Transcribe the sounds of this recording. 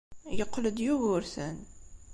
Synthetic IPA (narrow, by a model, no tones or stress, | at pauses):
jəqːləd̪juɣʊɾθən